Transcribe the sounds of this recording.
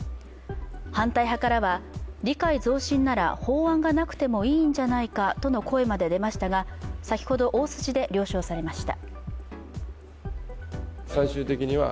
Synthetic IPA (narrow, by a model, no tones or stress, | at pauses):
hãnt̪aiɦakaɾaβaɾʲikaizo̞ːɕĩnːaɾa̰ho̞ːãŋɡanakɯ̟̥t̪e̞mo̞iːɲ̟d͡ʑanaikat̪o̞no̞kʰo̞e̞mad̪e̞d̪e̞maɕi̥t̪aɡasakʲi̥ho̞d̪o̞ʔoːsɨ̥ʑid̪e̞ɾʲo̞ːɕo̞ːsaɾe̞maɕi̥t̪a̰ | saiɕɨːt̪e̞kʲiɲ̟iβa̰